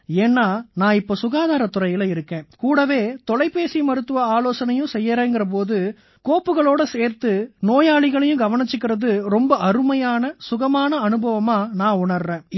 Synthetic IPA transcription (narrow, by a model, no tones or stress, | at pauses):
eːnːaːnãːɪpːoːsʊɣaːðaːɾɐt̪ːʊrɐjɪlɐɪɾɯkːẽːkuːɽɐʋeːt̪ɔɭɐɪpːeːsimɐɾɯt̪ːɯʋɐaːloːsɐnɐjʊ̃sɛjːɐɾẽːnŋɡɪrɐp̬oːðɯ | koːpːɯɣɐɭoːɽɐseːɾt̪ɯnoːjaːɭɪɣɐɭɐjʊ̃ɡɐʋɐɳɪt͡ʃːɯk̬ːɪrɐðɯɾɔmbɐʔɐɾɯmɐjaːnɐsʊɣɐmaːnɐɐnɯbɐʋɐmaːnãːʊɳɐɾrẽː